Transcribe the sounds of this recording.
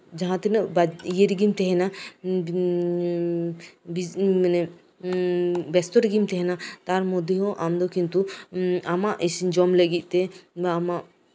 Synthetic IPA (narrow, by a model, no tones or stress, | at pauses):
d͡ʒaɦãt̪ɛnəbajeɾiɡimt̪ɛɦɛna | binɛ | bɛst̪ɔɾiɡimt̪ɛɦɛnat̪aɾmɔd̪iɦɔ̃ʔamd̪ɔkint̪uamaʔisd͡ʒɔmləɡit̪̚ˀt̪ɛamaʔ